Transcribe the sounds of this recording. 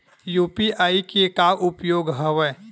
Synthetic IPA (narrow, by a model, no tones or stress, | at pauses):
juːpiʔaːikekaʔʊpjoːɡɦəʋɛ